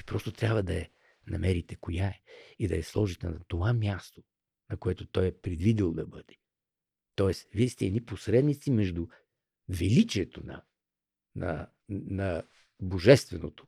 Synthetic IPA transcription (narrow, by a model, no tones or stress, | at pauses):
ipɾɔst̪ot̪ɾʲabvəd̪ɐɛ | nɐmɛɾit̪ɛkojaɛid̪ɐɛslˠɔʒit̪ɛnɐt̪ovamʲjast̪o̥ | nɐkoɛt̪ot̪ɔjɛpɾɛd̪vid̪ilˠd̪ɐbɤd̪ɛ̥ | t̪ɔɛsvisʲt̪ɛɛd̪niposɾɛd̪nit̪simɛʒd̪u | vɛlit͡ʃiɛt̪onɐ̰ | nɐ̰ | nɐ | boʒɛst̪vɛno̰t̪o̥